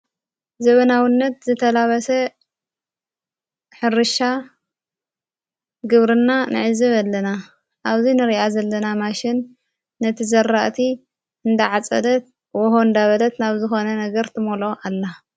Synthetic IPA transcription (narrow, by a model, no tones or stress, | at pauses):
zɐβɐnawinːɐt̪zɨt̪ʰɐlaβɐsɐ | ħɨɾɨʃa | ɡɨβɾɨnːanɨ̰ʕɨzɨβalːɐna | ʔaβzinɨɾiʔazɐlːɐnamaʃɪnː | ɐt̪ʰizɐrːaʔt̪ʰi | ɨnd̪ɐʕat͡sʼɐ̰d̪ɐt̪̚ | wɔɦond̪aβɐd̪ɐt̪naβzɨxo̞nɐnɐɡɐɾt̪ʰɨmolo̞ʔalːa